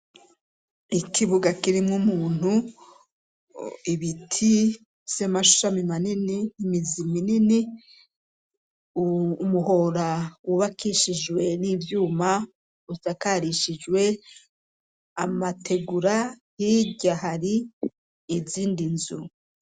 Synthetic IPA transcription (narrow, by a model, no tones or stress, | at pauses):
ikʰiβuɡakiɾimŋumuːn̥u | iβitʰi | z̥emaʃu̥ʃamimaniniimiziminini | muho̞ɾawuβakʰiʃid͡ʒwe̞nivjuːma | usakaɾiʃid͡ʒwe̞ | amatʰe̞ɡuɾahiɟaɦaɾiː | ziːndinzṵ